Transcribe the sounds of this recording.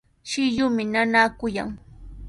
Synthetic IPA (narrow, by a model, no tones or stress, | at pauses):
ʃɪʎʊmɪnanaːkʊja̰ŋ